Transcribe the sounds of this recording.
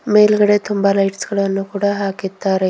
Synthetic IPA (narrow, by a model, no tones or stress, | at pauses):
melɡəɽet̪ʰumbalaiʈskəɽanːəkuɽaɦaket̪ːaɾ